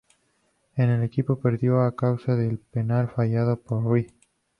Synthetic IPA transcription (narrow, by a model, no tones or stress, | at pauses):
enelekipo̞peɾðjo̞akawsaðelpenalfajað̞opoɾi